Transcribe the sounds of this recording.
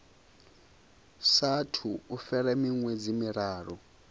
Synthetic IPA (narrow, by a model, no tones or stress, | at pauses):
satʰuufɛɾɛmiŋwɛd͡zimiɾaːrɔ